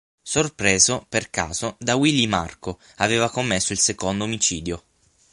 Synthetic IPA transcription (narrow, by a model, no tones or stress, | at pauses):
sorpɾeːzoperkaːz̥od̪awilima̰rko | aveːvakomːesːoilsekond̪oːmit͡ʃiːd̪jo